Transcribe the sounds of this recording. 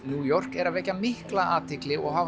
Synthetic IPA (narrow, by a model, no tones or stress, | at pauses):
njuːjɔr̥kɛɾavɛcːamɪhklaʔaːt̪ɪklɪɔɣɦav